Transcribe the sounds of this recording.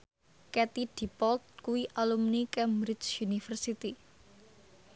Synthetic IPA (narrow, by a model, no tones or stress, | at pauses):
kɛt̪id̪̥i̤pɔlt̪̚kuwiʔalumnikɛmbɾɪt͡ʃunifərsit̪i